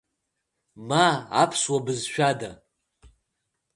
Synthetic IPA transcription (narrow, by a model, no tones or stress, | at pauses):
maːpʰswabɨzʃᶣada